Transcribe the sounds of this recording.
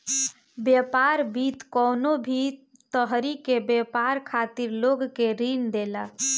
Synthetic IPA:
bjepaɾbit̪kɔnobʱit̪ | t̪əɦɾikebjepaɾkʰat̪iɾloɡkeɾind̪elə

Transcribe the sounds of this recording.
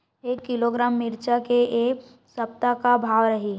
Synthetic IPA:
eːkːɪloɡɾaːmːɪɾt͡ʃakeʔe | sɐp̚t̪akabʱaːʋɾəɦi

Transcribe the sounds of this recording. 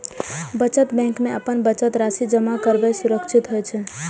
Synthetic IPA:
bət͡ʃət̪bɛ̃ŋkmeəpənbət͡ʃət̪ɾasid͡ʒəmakəɾbɛsuɾəkt͡ʃʰit̪ɦojt͡ʃʰɛ

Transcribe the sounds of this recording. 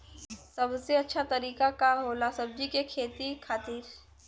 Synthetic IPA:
sɐbseɐtːʃʰat̪ɐɾiːkakaɦoːlasɐb̚d͡ʒikekʰeːt̪ikʰaːt̪iːɾ

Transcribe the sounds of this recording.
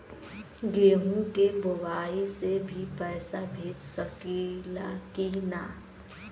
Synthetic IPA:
ɡeːɦũkebʊwaːisebʱipɛːsabʱeːd͡ʒsəkilakinaː

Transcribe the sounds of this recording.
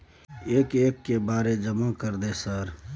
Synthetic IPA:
eːkeːkːebaːɾed͡ʒəmakəɾd̪esəɾ

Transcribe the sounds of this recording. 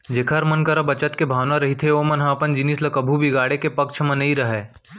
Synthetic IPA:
d͡ʒeːkʰəɾmənkəɾəbɐt͡ʃət̪kebʱaːʋnaɾɐɦit̪ʰeomɐnɦãpənd͡ʒɪnislɐkəbʱubiɡaːɽekepɐkʃʰmɐ̃nɐĩɾɐɦeː

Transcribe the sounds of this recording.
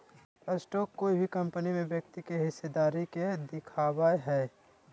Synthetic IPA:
ɐsʈɔːkːoːibʱikɐ̃mpənimẽbjɐkt̪ikeɦɪsed̪aːɾiked̪ɪkʰaːwaɦɛː

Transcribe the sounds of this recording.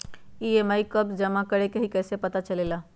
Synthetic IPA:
iemajkəbd͡ʒəmakəɾekeɦikəjsepət̪at͡ʃəlela

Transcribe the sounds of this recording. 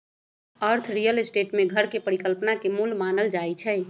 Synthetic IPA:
əɾt̪ʰɾijəlsʈeʈmẽɡʱəɾkepəɾikəlpnakemulmaːnəld͡ʒajt͡ʃʰɛ

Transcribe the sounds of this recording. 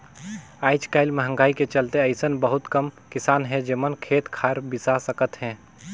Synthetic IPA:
aːɪt͡ʃkaːɪlmɐɦə̃ŋɡaːiket͡ʃɐlt̪eɐɪsənbəɦʊt̪kɐmkɪsaːnɦɛ̃d͡ʒeːmənkʰeːt̪kʰaːɾbɪsasəkət̪ɦɛ̃ː

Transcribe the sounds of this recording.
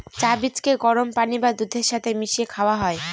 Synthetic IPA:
t͡ɕabit͡ɕkeɡɔɾompanibad̪ud̪ʱːeɾʃat̪ʰemiʃiekʰaoaɦɔe

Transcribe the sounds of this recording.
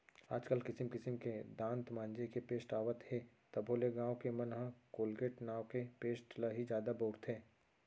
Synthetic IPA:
a̰ːd͡ʒkəlkɪsɪmkɪsəmked̪ãːnt̪mãːnd͡ʒekepeːsʈaːʋət̪heː | t̪ɐbʱoːleɡãːwkemɐnɦãkoːlɡeːʈnaːwkepeːsʈləɦid͡ʒjaːd̪aboːɾt̪ɦɛː

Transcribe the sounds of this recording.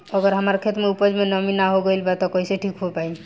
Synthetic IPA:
əɡəɾɦəmaɾkʰet̪meupəd͡ʒmenɔminaɦoɡəilbat̪ɔkɔiseʈʰikɦopai

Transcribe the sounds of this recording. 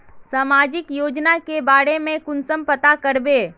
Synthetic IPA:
saːmaːd͡ʒɪkjoːd͡ʒnakebaːɾemẽkʊnsəmpət̪akəɾbeː

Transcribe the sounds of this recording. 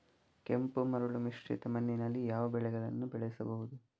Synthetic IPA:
kempumɐɾuɭumiʂt͡ʃḭt̪ɐmɐnːinɐlːijaːʋɐbɛɭɛɡɐɭɐnːubɛɭɛjisɐbɐɦud̪u

